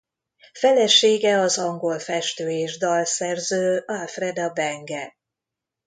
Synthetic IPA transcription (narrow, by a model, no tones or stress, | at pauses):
fɛlɛʃeːɡɛɒzɒŋɡolfɛʃt̪øːeːʒd̪ɒlsɛrzøːɒlfrɛd̪ɒbɛŋɡɛ